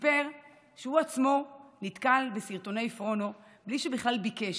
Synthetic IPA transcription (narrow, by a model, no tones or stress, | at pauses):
beʁ | ʃeuat͡smo̞nit̪kalbesiʁt̪o̞nejfʁono̞ | bliʃebiχlalbikeʃ